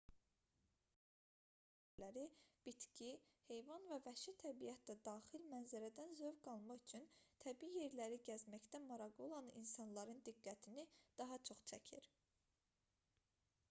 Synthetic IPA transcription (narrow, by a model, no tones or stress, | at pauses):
læɾib̥it̪cʰihe̞jvɑnvævæʃit̪ʰæbijæt̪ʰd̪æd̪ɑːχilmænzæɾæd̪ænzøvɡɑlˠmɑχyt͡ʃʰynt̪ʰæbiije̞ɾlæɾiɟæzmæçd̪æmɑɾɑɡo̞lˠɑnḭnsɑnlˠɑɾɯnd̪iɡːæt̪ʰinid̪̥ɑɦɑt͡ʃʰo̞χt͡ʃʰæcʰiɾ